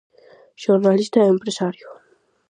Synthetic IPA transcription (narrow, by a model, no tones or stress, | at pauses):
ʒoɾnalist̪aeempɾesaɾjo